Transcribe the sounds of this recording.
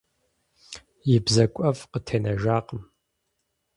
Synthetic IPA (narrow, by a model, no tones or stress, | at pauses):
jɪbzɐkʷʼɐvqətʰeːnɐʒaːqʼəm